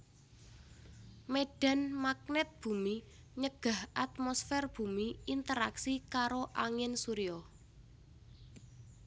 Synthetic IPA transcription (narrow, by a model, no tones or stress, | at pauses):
meɖ̥a̤nmak̚nɛt̪̚b̥ṳmi | ɲəɡ̥a̤hʔat̪̚mɔsfɛrb̥ṳmiint̪əɾa̰ksikaɾoʔaŋɪnsuɾiɔ